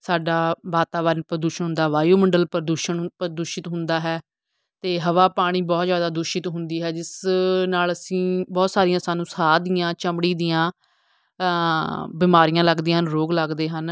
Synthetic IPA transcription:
saːɖaːʋaːt̪aːʋənpəɾəd̪uːʃənɦʊ̃nd̪aːɦʋaːjoːməɳɖəlpəɾd̪uːʃəɳpəɾd̪uːʃɪt̪ɦʊnd̪aːɦɛː | t̪eːɦəʋaːpaːɽ̃iːbɔːt̪zjaːd̪aːd̪ʊʃɪt̪ɦʊnd̪iːɦɛːd͡ʒɪsnaːləsĩːbɔːt̪saːɾijãːsaːnũːsaːd̪ijãːt͡ʃəmɽiːd̪ijãː | bɪmaːɾijãːləɡd̪iːɦənɾoːɡləɡd̪eːɦən

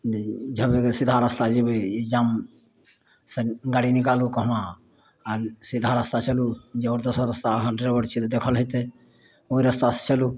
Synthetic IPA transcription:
d͡ʒʱəbeksid̪ʱaɾəst̪ad͡ʒebeid͡ʒaːm | seɡaɽinikalukəɦmã | əɾsid̪ʱaɾəst̪at͡ʃəlud͡ʒeoɾd̪osəɾəst̪aɦãɖeɾbəɽt͡ʃʰit̪d̪ekʰəlɦət̪e | oiɾəst̪ase̥t͡ʃəlu

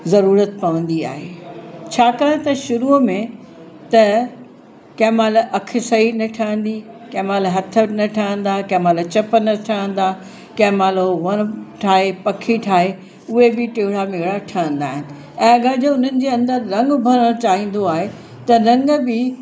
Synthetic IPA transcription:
zɐɾuːɾət̪pɐʋə̃n̆d̪ia̰ːɦḛːt͡ɕʰaːkaːɽ̃ẽt̪ɐʃʊɾumẽ | t̪ɐ | kɐːmaːlʔɐkʰɪ̆sɐinɐʈʰaːə̃n̆d̪ikɛːmaːlɦɐt̪ʰə̆nɐʈʰaːə̃n̆d̪akɛːmaːlt͡ɕɐpənɐʈʰaə̃nd̪a | kɛːmaːloʋɐñʈʰaːɦepɐkʰiʈʰaːɦe | ʊɦebɪʈeːɦɪɽamɪɦɪɽaʈʰaːə̃nd̪aːɦɪnɪ̆ | ɛ̃ːɐɠaːd͡ʑoʊn̤ənɪ̆d͡ʑeːɐ̃nd̪əɾɾɐ̃ŋɡbʱɐɾəɽ̃t͡ɕaːɦĩːn̆d̪oaːɦe | t̪ɐɾɐ̃ŋɡbɪ

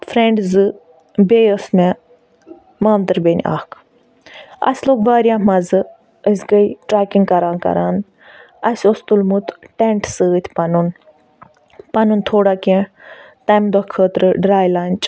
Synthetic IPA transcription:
fʰɾẽɳɖzɨ | beːjəsmɛ | maːnt̪ɨɾbʲenʲiʔa̰ːhkʰ | ɐ̰sʲloːɡbaːɾjaːmɐzɨ | əsʲɡəiʈɾaːkiŋɡkɐɾaːnkɐ̰ɾaːn | ɐsʲost̪ulmut̪ʰʈɛɳʈsɨːət̪ʲʰpɐnun | pɐnunt̪ʰoːɽaːkɛ̃ | t̪ɐmd̪okʰəːt̪ɾɨɖɾaːjlaːnʲt͡ʃ

